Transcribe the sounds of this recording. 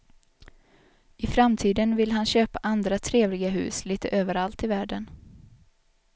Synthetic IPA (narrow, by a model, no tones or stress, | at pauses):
ɪfɾamt̪ʰiːd̪ənvɪlɦanɕøːpaʔand̪ɾat̪ʰɾeːvlɪɡaɦʉ̟̰ːsliːt̪əʔøːvəɾalt̪ɪvæːɖən